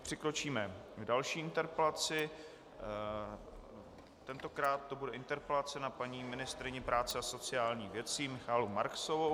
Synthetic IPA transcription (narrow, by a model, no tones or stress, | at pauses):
pr̥ɪkɾo̞t͡ʃiːmɛɡdalʃiːɪnt̪ɛɾpɛlat͡sɪ | t̪ɛnt̪o̞kɾaːt̪̚ːo̞budɛʔɪnt̪ɛɾpɛlat͡sɛnapaɲiːmɪnɪst̪ɾɪɲɪpɾaːt͡sɛaso̞t͡sɪjaːlɲiːɣvjɛt͡simɪxaːlumaɾksovo